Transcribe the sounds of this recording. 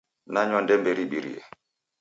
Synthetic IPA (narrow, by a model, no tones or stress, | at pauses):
naɲwandɛmbɛɾiɓiɾḭɛ̰